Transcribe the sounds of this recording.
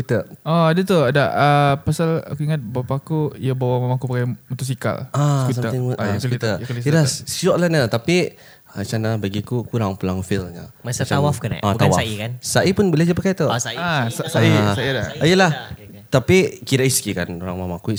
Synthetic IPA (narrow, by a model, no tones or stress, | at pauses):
kut̪əɔadat̪uadaəpasala̰kuiŋat̪̚bapaːkuijabawamamakupakajmɔt̪uʔs̬ika̰lakusaməɪŋskut̪əkalislasɔʔlanət̪api | at͡ʃanabaɡikukuɾaŋpəlaŋfilɲa̰msat͡ʃawafkana̰ʔat̪awaaikansaʔipʊnbəled͡ʒapəkajt̪osaasasaisaiadaijəlah | t̪apikiɾaiskikanoɾaŋmamaku